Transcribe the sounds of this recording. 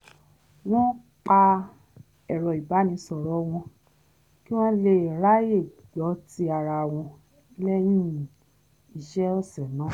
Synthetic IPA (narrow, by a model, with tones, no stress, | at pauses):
w̃ɔ̃˦ | k͡pa˧ | ɛ˨ɾɔ˨i˨ba˨˦nĩ˧˦sɔ˨ɾɔ˨˦w̃ɔ̃˧ | ki˦w̃ɔ̃˦le˦˨ɾa˦je˦˨d͡ʒɔ˨˦ti˧a˧˨ɾa˧˨w̃ɔ̃˧˦ | lɛ˦j̃ĩ˦ | i˨ʃɛ˦ɔ˦˨sɛ˨nãː˨˦